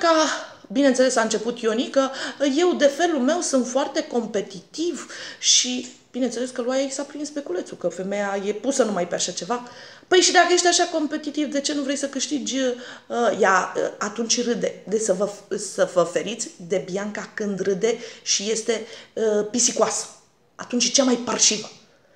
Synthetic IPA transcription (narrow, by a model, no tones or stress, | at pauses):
ka | binenelesaɨnt͡ʃe̞put̪jo̞nikəje̞wd̪e̞fe̞lulme̞wsunt̪foart̪e̞ko̞mpe̞t̪it̪ivʃi | b̥ine̞nt̪seleskəluajaiksapɾinspe̞kule̞t̪sukəfe̞me̞jaje̞pusənumajpeaʃat͡ʃe̞vapəjʃid̪akəje̞ʃt̪eaʃako̞mpe̞t̪it̪ivd̪e̞t͡ʃe̞nuvɾejsəkɨʃt̪id͡ʒʲəəjaə̰at̪unt͡ʃʲɾɨd̪e̞d̪esəvəsəvəfe̞ɾit̪sʲd̪e̞bjaŋkakɨnd̪rɨd̪e̞ʃije̞st̪e̞əpisikuasə̥ | a̰t̪unt͡ʃʲt͡ʃamajpərʃivə